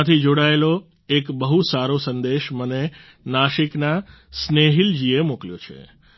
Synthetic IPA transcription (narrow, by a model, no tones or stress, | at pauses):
t̪ʰid͡ʒoɽaelo | ekbəɦusaɾosənd̪eʃməne | naʃikna | sneɦild͡ʒiemokljot͡ʃʰḛ